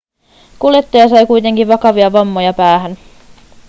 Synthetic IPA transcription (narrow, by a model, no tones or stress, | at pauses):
kuljet̪ːojɑsɑjkujt̪e̞ŋkiʋɑkɑʋiɑʋɑmːo̞jɑpæːɦæn